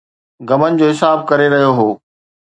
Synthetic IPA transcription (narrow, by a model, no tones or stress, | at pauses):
ɡɐmənɪ̆d͡ʑoːɦɪsaːb̚kɐɾeɾɐɦijoɦoː